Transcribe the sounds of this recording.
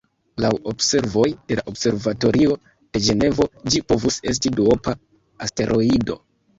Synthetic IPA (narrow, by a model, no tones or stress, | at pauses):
lawo̞bse̞ɾvo̞jd̥e̞la̰ʔobse̞ɾvato̞ɾʔio̞ | d̥e̞d͡ʒe̞ne̞vo̞d͡ʒipo̞vuse̞s̬tiduopa | aste̞ɾʔo̞ido̞̰